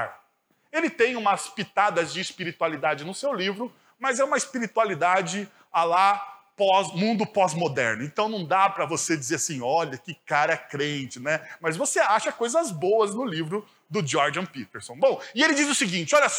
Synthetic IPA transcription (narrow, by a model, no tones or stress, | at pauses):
ɾ | elɪt̪ẽj̃ũmɐspit̪ad̪ɐzd͡ʒɪːspiɾit̪ualid̪ad͡ʒɪnʊsewlivɾʊ | mɐzɛũmɐɪspiɾit̪ualid̪ad͡ʒɪ | alapɔzmũnd̪ʊpɔzmod̪ɛɾnʊẽnt̪ɐ̃w̃nɐ̃w̃d̪apɾɐvosed͡ʒizeɾasĩɔʎɐkɪkaɾɐɛkɾẽnt͡ʃɪnɛmɐzvoseaʃɐkojzɐzbowɐznʊlivɾʊ | d̪ʊd͡ʒɔɾd͡ʒɐ̃pit̪eɾsõw̃bõw̃ɪelɪd͡ʒizʊsɪɡĩnt͡ʃɪɔʎɐs